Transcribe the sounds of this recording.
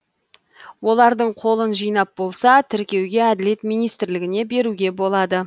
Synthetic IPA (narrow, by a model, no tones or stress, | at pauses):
wo̞lˠɑɾd̪əɴqʰo̞lˠənʒijnɑp̚bo̞lˠsɑt̪ʰɪɾkʲe̞wɡʲe̞æd̪ɪle̞t̪mijnijst̪ɪɾlɪɡʲɪne̞be̞ɾuɡʲe̞bo̞lˠɑd̪ə